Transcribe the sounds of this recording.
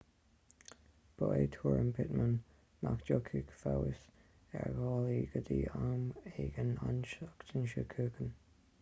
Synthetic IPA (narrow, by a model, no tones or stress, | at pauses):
b̥oet̪ʰuːɹəmpʰɪt̪mən | mʔakd͡ʒokʰikfawɪs | ɛɹɡɑːliːɡəd̪iːameːɡənanʃakt̪ʰənʃəkʰəːkən